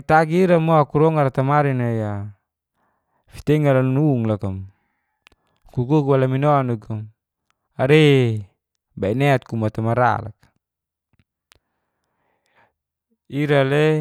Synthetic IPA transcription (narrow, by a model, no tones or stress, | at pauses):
t̪aɡiːɾamoakuɾɔŋaɾat̪amaɾinaija | fi̥t̪ɛŋalannuŋlakam | kukukuwalaminɔanuɡum | aɾe | bainɛat̪̚kumat̪amaɾa̰la̰kḁ | iɾale